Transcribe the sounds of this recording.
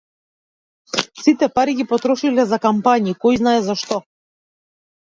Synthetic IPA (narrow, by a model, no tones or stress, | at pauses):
sit̪ɛpaɾiɡipɔt̪ɾɔʃilɛzakampaɲikɔjznaɛzaʃt̪ɔ